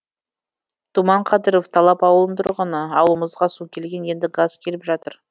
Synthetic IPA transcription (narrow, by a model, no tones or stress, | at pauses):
t̪ʰumɑɴqʰɑd̪əɾoft̪ʰɑlˠɑpɑwəlˠənt̪ʰʊɾʁənəɑwlˠəməzʁɑsukʲʰe̞lɡʲe̞nje̞nd̪ɪɡazkʲʰe̞lɪpʒɑt̪əɾ